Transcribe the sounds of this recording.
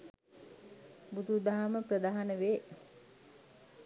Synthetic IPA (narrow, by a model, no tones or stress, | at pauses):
bud̪ud̪aɦaməprəd̪aːɦanəʋeː